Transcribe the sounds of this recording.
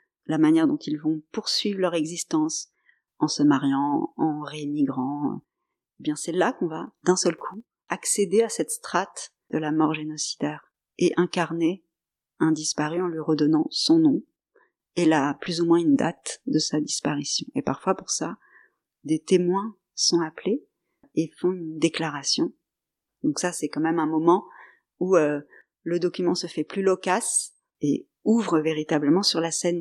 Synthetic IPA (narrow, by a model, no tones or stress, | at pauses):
lamanjɛʁd̪ɔ̃t̪ilvɔ̃puʁsɥivʁlœʁɛɡzist̪ɑ̃s | ɑ̃səmaʁjɑ̃ɑ̃ʁemiɡʁɑ̰̃ | ebjɛ̃sɛlakɔ̃vad̪ɛ̃sœlkʰu | aksed̪easɛt̪st̪χat̪ | d̪̥əlamɔʁʒenɔsi̥d̪̥ɛʁ | eʔɛ̃kaʁne | ɛ̃d̪ispaʁyɑ̃lɥiʁəd̪ɔnɑ̃sɔ̃nɔ̃ | elaplyzumwɛ̃ynd̪a̰t̪d̪əsad̪ispaʁisjɔ̃ʔepaʁfwapuʁsa | d̪et̪emwɛ̃ | sɔ̃aple | efɔ̃ynd̪eklaʁasjɔ̃ | d̪ɔ̃ksasɛkɑ̃mɛmɛ̃mɔmɑ̃ | uø | ləd̪ɔkʲymɑ̃səfɛplylɔkas | e | uvʁəveʁit̪abləmɑ̃syʁlasɛn